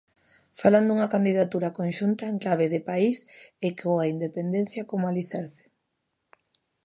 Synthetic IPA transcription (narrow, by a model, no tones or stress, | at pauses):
faland̪uŋɐkand̪iðat̪uɾakonʃunt̪aeŋklaβ̞eðɪpaisekoaind̪epend̪en̟θjɐkomʊaliθɛɾθe̥